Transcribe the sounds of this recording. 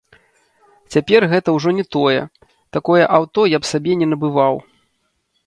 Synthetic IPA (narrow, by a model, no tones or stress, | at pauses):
t͡sʲapʲɛrɣɛt̪ɐwʐɔnʲɛt̪ɔjɛ̰ | t̪akɔjɛʔawt̪ɔjapsabʲɛnʲɛnɐbɨvaw